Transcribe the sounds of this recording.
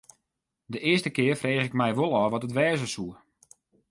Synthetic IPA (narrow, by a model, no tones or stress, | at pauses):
dəʔɪəstəkɪːərfreːχɪk̚mɛjʋolˠɔʋɔtətʋɛːzəsuə